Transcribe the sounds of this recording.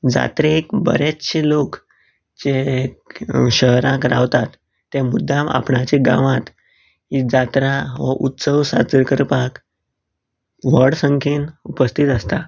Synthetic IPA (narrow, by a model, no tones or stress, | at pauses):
d͡za̰t̪ɾekbə̰ɾet͡sɕelok | t͡ɕe | ɕəɦɾãkɾa̰ʋt̪at̪ː | emud̪ʱːãma̰pɳat͡ɕiɡã̰ʋãt̪ | ɦid͡zat̪ɾaʋəʔut̪səwsa̰t͡səɾkəɾpak | ʋəɽsəŋkʰiːnupəst̪ʰit̪əst̪a